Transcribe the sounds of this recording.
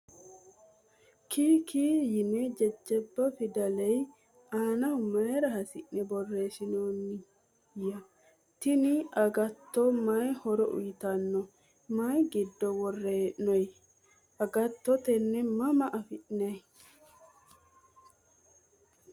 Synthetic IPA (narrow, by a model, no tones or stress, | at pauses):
kiːkiːjɪnɛd͡ʒɛd͡ʒːɛbːɐfɪd̪ɐlɛj | aːnɐwmɐjɾɐɦɐsɪʔnɛbɔrːe̞ːsɪnoːnːɪ | jɐ | t̪ɪnɪʔɐɡɐt̪ːɔmɐjhɔɾɔʔʊ̰jɪt̪ɐnːɔ | mɐjɡɪd̪ːɔwɔrːeːʔnɔj | ɐɡɐt̪ːɔt̪ɛnːɛmɐmɐʔɐfɪʔnɛj